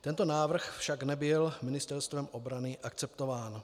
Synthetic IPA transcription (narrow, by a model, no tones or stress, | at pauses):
t̪ɛnt̪o̞naːvr̩xfʃaɡnɛbɪlmɪnɪst̪ɛɾst̪vɛmʔobɾanɪʔakt͡sɛpt̪o̞vaːn